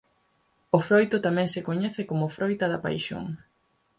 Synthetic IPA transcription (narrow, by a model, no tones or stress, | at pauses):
ofɾojt̪ʊt̪amɛ̃ŋsɪkoɲɛθɪkomʊfɾʔojt̪ɐðɐpa̰jʃo̰ŋ